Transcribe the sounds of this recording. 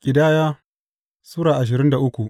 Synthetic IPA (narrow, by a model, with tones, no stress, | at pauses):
kʲʼɪ˨daː˦jaː˦ | suː˦ɽaː˨ʔa˨ʃ̬ɪ˨ɾɪ˦nda˨ʔʊ˦kʷu˨ʔ